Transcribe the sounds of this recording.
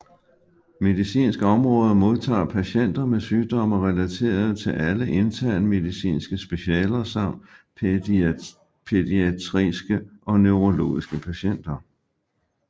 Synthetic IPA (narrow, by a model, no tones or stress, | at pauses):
me̝ðˠisḭːnsɡ̥əɒ̽mʁɔ̽ːð̞ˠɐmo̝ðˠt͡sʰɑ̰̈ːpʰæɕen̰d̥ɐmesyːd̥ɒ̽mɐʁɛlæt͡sʰe̝̰ːɐð̞ˠt͡sʰe̝lʔæləʔe̝nt͡sʰæɐ̰nəme̝ðˠisḭːnsɡ̥əsb̥e̝ɕɛ̰ːlɐsɑ̈m̰d̥ | pʰe̝ðiæt͡sʰʁisɡ̥əʔɒ̽nøʊʁo̝lo̝̰ːisɡ̥əpʰæɕen̰d̥ɐ